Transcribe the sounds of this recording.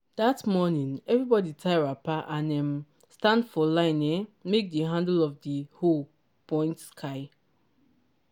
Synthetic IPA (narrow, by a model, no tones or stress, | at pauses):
d̥atmɔnĩnɛvɹibɔditʰaɪɹapaʔãnɛ̃m | stãndfɔlãɪnɛmek̚dəɦãndlɔfdəhol | pʰɔ̃ɪ̃ntskʰaɪ